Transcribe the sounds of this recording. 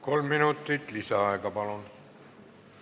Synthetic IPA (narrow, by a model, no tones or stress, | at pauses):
kolmːinut̪ːˑit̪ˑlisɑɑekɑpɑlun